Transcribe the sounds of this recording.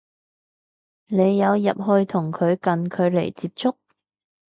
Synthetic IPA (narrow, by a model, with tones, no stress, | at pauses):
ne˨˧jːɐ˨˧wjɐ˨p̚ɦɵ˧ɥt̪ʰʊ˨˩ŋkʰɵ˨˧ɥkɐ˨nkʰɵ˨˧ɥle˨˩jt͡siː˧p̚t͡sʊ˥k̚